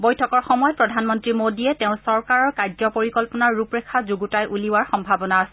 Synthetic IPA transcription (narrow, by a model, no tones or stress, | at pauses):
bojtʰɔkɔɹxɔmɔjɔpɹɔdʱanmɔntɹimodiɛtɛʊ̃sɔɹkaɹɔɹkaɹzɔpoɹikɔlpɔnaɹːupɹekʰazuɡutajʔuliwaɹxɔmbʱabɔnaːsɛ